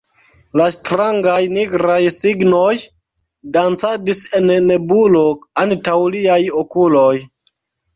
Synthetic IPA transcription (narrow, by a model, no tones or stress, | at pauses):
lastɾaŋɡajniɡɾajsiɡno̞j | dant͡sadise̞nːebulo̞antawliajokuloj